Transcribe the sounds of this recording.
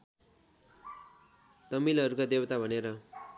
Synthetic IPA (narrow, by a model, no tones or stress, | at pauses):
t̪ʌmilɦʌɾukad̪ewʌt̪abʱʌneɾʌ